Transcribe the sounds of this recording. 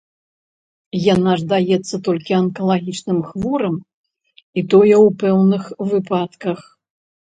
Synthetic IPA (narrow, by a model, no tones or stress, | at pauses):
janaʐd̪ajɛt̪sːɐt̪ɔlʲkʲiɐnkɐlˠaɣʲit͡ʂnɨmxvɔɾɐm | it̪ɔjɛwpɛwnɨxvɨpat̪kɐx